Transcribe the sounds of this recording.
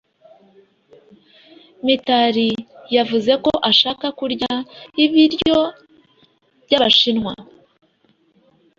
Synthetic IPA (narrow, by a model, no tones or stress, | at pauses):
mitaɾijavuze̞ko̞ʔaʃaːkakuɾɟaiβiɾjo̞ | bɟaβaʃinŋwa̰